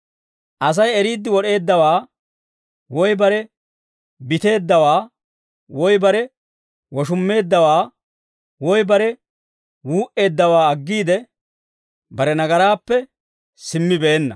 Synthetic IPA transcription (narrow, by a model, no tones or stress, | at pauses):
ʔɐs̬ɐjɛɾiːd̪ːɪwɔɗe̞ːd̪ːɐwaː | wɔjbɐɾɛ | bɪt̪e̞ːd̪ːɐwaː | wɔjbɐɾɛ | wɔʃ̬ʊmːe̞ːd̪ːɐwaː | wɔjbɐɾɛ | wuːʔe̞ːd̪ːɐwaːɐɡːiːd̪ɛ | bɐɾɛnɐɡɐɾaːpːɛ | sɪmːɪbeːnːɐ̰